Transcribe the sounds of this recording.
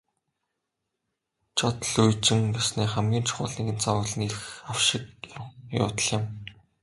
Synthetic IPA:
t͡ɕʰɔt̪ə̆ɮujt͡ɕɪ̆ŋpasniːχæmɡʲiːnt͡ɕʰʊ̥χʊːɮniːɣɘ̆nt͡sawʊːɮə̆niɾɘxxaw̥ʃɪ̆k̚jʊ̰ːt̪ə̆ɮɪ̆m

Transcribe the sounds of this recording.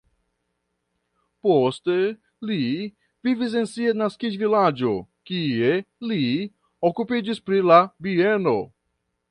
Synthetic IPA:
po̞ste̞ | li | vivis̬e̞nsianaskid͡ʒvilad͡ʒo̞kie̞li | okupid͡ʒispɾilabie̞no̞

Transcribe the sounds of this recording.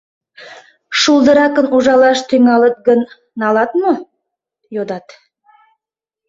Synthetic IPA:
ʃulˠd̪ə̆ɾɑkənuʒɑlˠɑʃt̪ʰɵŋɑlˠət̪̚ɡɵn | nɑlˠɑt̪mo | jod̪ɑt̪

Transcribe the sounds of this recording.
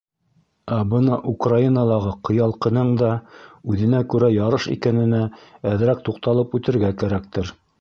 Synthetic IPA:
æbɤnɑʔukrainɑlˠɑʁɤqɤ̆jɑlˠqɤ̆nɤɴd̪ɑʉðɘ̆nækʉɾæjɑɾɤʃḭkænɘ̆nææðɾæk̚t̪uqt̪ɑlˠɤpʉt̪ɘ̆ɾɡækæɾæk̚t̪ɘɾ

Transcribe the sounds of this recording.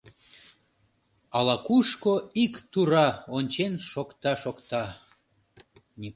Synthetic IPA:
ɑlɑkuʃkoikt̪uɾɑonʲt͡ɕenʃokt̪ɑʃokt̪ɑ | nʲi

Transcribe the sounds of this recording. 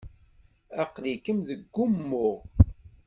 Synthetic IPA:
æqlikəmðəɡːʊmːʊʁ

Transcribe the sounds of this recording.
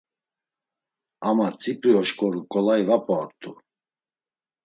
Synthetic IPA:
amat͡sʼipʼɾiɔʃkʼɔɾukʼɔlaivapʼɔɾt̪ʼu

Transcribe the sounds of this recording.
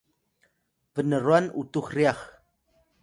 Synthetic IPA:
vənərwanṵtuxriax

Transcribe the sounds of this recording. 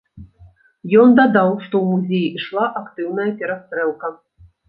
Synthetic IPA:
jɔnd̪ad̪ɑw̪ʂt̪ɔwmuzʲejiiʂlˠaʔakt̪ɨwnɐjɐpʲɛɾast̪ɾɛlˠkɐ

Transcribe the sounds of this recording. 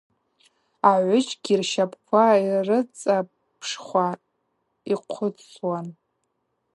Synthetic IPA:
aʕʷʊt͡ʃʼɡʲirʃapʰkʷʰairɨt͡sʼa | pʰʂχʷa | iqʷʰʊt͡sʰwan

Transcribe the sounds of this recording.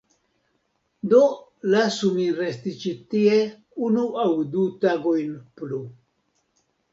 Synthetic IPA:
d̪olasumiɾest̪it͡ʃit̪ie | unuawd̪ut̪aɡojnplu

